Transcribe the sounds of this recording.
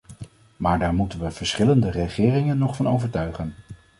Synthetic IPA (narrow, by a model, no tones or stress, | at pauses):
maːɹdaːɹmutənʋəv̥əɹsχɪləndərəχɪːrɪŋənːɔχfɑnowvəɹtœɥχən